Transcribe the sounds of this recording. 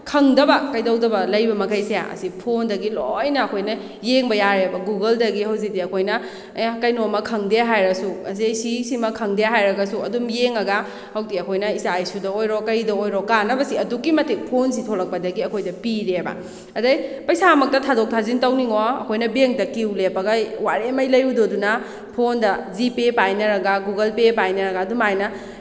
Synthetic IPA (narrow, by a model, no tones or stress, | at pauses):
kʰɐŋdɐbɐkɐjdɐwdɐbɐlɐjbɐmɐkʰɐjseja̰ɐ̰sipʰondɐɡilojnɐːkʰojnɐ | jeŋbɐjaɾebɐɡuɡɐldɐɡihɐwzik̚diɐkʰojnɐ | jkɐjnomɐkʰɐŋdeaɦajɾɐsuɐsijsisimɐkʰɐŋdejaɦajɾɐɡɐsuɐdumjeŋɐɡɐ | hɐwtiɐkʰojnɐisajsudɐojɾɔkɐɾidɐojɾɔkanɐbɐsiɐdukːimɐtik̚pʰons̬itʰolɐk̚pɐdɐɡiɐkʰojdɐpiɾebɐ̰ | ɐdɐjpɐjsamɐk̚tɐtʰadok̚tʰazintɐwniŋɔɐ̰kʰojnɐbeŋdɐkiwlepɐɡɐwaɾemɐjlɐjudodunɐ | pʰondɐzipepajnɐɾɐɡɐɡuɡɐlpepajnɐɾɐɡɐːdumajnɐ